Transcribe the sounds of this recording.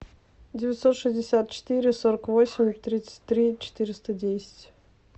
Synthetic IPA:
dʲɪvʲɪt̪so̞t̪ʂɨzʲdʲɪsʲat̪̚t͡ɕɪ̥t̪ɨɾʲɪsoɾəkvo̞sʲɪmʲt̪ɾʲit̪sə̥tʲt̪ɾʲit͡ɕɪ̥t̪ɨɾʲɪst̪ədʲesʲɪ̥tʲ

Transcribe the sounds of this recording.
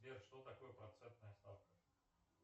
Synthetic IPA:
eʂt̪ot̪ɐkojəpɾɐt̪sɛnt̪nəjəst̪afkə

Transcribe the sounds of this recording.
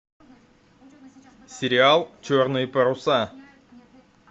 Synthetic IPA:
sʲeɾʲialˠt͡ʃʰɵɾnɨjpɐɾusa

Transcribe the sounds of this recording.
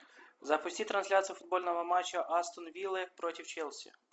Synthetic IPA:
zɐpʊsʲtʲit̪ɾɐnʲsʲlʲat̪sʲijɐfʊd̪̚bɔlʲnɔɦɔmɑt͡ʃːɐʔɑst̪ɔnʋʲilˠɪpɾɔtʲiwt͡ʃɛlˠsʲḭ

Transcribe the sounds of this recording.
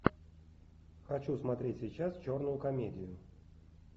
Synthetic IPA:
xɐt͡ɕusmɐt̪ɾʲetʲsʲɪjt͡ɕast͡ɕornʊjʊkɐmʲedʲɪjʊ

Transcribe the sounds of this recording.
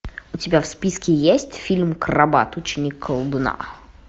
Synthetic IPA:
ʊtʲɪbʲafspʲiskʲɪjesʲtʲfʲilʲmkrɐba̰t̪ʊt͡ɕɪnʲikʰːəlˠbɨna̰

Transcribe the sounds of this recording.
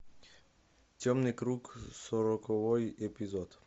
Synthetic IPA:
tʲɔmnɪkɾuksɔɾɔkɔvɔjɛpizɔt̪

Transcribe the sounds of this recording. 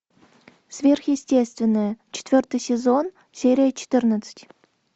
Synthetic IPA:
svʲerxjesʲtʲest̪vʲɪnːəjət͡ɕɪ̥t̪ʲvʲørt̪ɨjsʲezon | sʲeɾʲijət͡ɕʰɪ̥t̪ɨrnət̪sə̥tʲ

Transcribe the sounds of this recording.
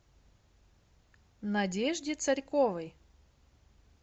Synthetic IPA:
nɐdʲeʐdʲɪt̪sɐɾʲkovəj

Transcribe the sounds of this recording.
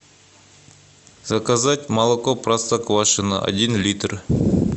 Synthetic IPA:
zɐkazatʲmɐlˠokoprast̪akvaʂɨnə̰ʔɐ̰dʲinlʲit̪r

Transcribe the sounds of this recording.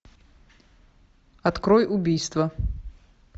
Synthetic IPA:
ɐt̪kɾɔjʊbʲijst̪vɐ

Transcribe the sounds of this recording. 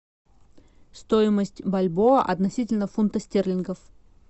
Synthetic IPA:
st̪oɪməsʲtʲbɐlʲboʔɐ̰t̪nɐsʲitʲɪlʲnəfʊnt̪əsʲtʲerlʲɪnɡəf

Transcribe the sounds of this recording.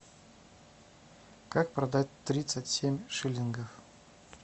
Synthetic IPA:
kak̚prɐd̪at̚ʲt̪ːɾʲit̪sətʲsʲemʲʂɨlʲinɡəf

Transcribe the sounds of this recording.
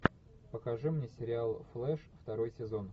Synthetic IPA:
pəkɐʐɨmnʲesʲɪɾʲɪalˠflˠɛʂft̪ɐɾo̞jsʲɪzo̞n

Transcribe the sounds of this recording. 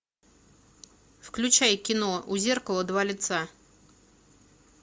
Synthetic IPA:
fklʲʉt͡ɕajkʲɪnoʔuzʲerkəlˠəd̪valʲɪt̪sa

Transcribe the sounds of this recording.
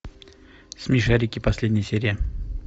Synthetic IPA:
smʲɪʂaɾʲɪkʲɪpɐsʲlʲedʲnʲɪjəsʲeɾʲɪjə

